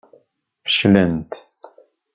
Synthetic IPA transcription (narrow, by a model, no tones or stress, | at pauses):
fə̥ʃlænt̪